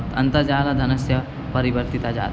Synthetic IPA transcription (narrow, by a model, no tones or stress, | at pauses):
t̪ʰɐ̰nt̪əɾd͡ʒaːlad̪ʱɐnɐsjɐ | pɐɾiʋəɾt̪it̪ad͡ʒa̰ːt̪